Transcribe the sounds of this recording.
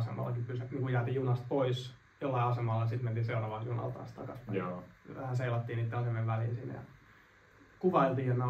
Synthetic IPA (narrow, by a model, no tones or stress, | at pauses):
sḛmɑ̰lːɑkipysæniːŋkujæːt̪iːjunɑst̪̚pois | jolːɑiɑsemɑlːɑɑsit̪ment̪iːseurɑʋɑljunɑ̰lt̪ɑ̰nst̪ɑ̰kɑspʋæhæseilɑt̪ːiːniːt̪ːeɑsemeʋʋælḭːsin̰ːjɑ̰ | kuʋɑilt̪iːjet̪ne